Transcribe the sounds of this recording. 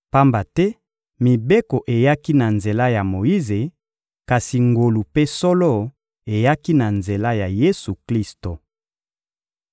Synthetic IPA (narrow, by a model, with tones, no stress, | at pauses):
pa˦mba˨tɛ˦ | mi˨be˦ko˨ʔe˨ja˦ki˦na˨nze˨la˦ja˨mo˨ji˦ze˨ | ka˨si˨ŋɡo˨lu˨pe˦sɔ˦lɔ˦ | e˨ja˦ki˦na˨nze˨la˦ja˨je˦su˨kli˦sto˨